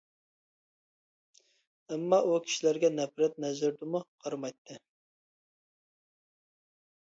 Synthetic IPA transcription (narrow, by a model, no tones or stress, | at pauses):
ɛmːɑʔukʲʰi̥ʃilæɾɡʲɛnɛpɾɛt̪̚nɛzɪɾd̪muqʰɑɾmɑjt̪ʰːɨ